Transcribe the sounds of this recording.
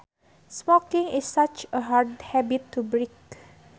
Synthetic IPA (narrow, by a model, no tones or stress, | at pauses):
smɔkĩŋisːat͡ʃəɦaɹdhɛbitʰːubɹik